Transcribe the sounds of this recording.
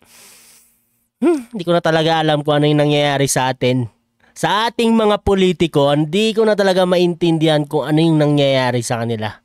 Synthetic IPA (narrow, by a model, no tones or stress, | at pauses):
h̩nd̪iːkonɐt̪ɐlɐɡaʔɐlamkʊŋʔɐnojʊŋnɐŋjɐjaːɾɪsɐʔaːt̪ɪn | sɐʔaːt̪ɪŋmɐŋapoliːt̪ɪko̞ʔɐnd̪ikonɐt̪ɐlɐɡamɐʔɪnt̪ɪnd̪ɪhɐnkʊŋʔɐnojʊŋnɐŋjɐjaːɾɪsɐkɐnɪla̰